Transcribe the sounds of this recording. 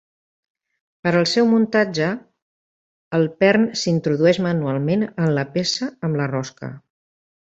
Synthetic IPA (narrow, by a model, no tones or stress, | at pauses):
pəɾəlˠsɛwmunt̪ad͡ʒə | lˠpɛrnsint̪ɾuðuɛʒmənualˠmenənləpesəəmlərɔskə̰